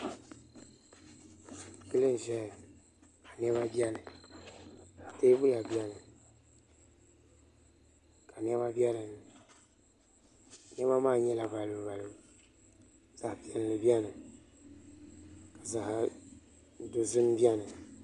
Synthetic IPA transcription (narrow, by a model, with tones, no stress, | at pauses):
ki˦lɨ˦n˨ʒɛ˦˨ | ka˨nɛ˦βa˦bi˦ɛ˦nɨ˨ | te˦bu˦la˨bi˦ɛ˦nɨ˨ | ka˨n˦ɛ˦ba˦bjɛ˦lɨ˨nɨ˨ | n˦ɛ˦ma˦maː˦˨ɲɛ˦la˨ba˨lɨ˨ba˨lɨ˨ | z̥a˨hpi˦ɛ˨n˨lɨ˨bi˦ɛ˦nɨ˨ | ka˨za˨h | do˨zɨ˦m˦bi˦ɛ˦nɨ˨